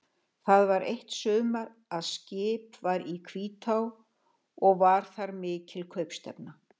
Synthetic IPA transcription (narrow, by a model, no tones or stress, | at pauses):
θaðvaɾejht̪sʏːmaɾ | aðscɪːpvaɾikʰviːt̪ʰaw | ɔɣvaɾ̥θaɾmɪːcʰɪlkʰœɥpst̪ɛ̰pna